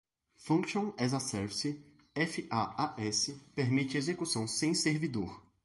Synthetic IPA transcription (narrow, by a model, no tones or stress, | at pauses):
fũkʃõɛzasɛɾvisɪ | ɛfɪʔaaɛsɪpeɾmit͡ʃɪezekusɐ̃w̃sẽj̃seɾvid̪oɾ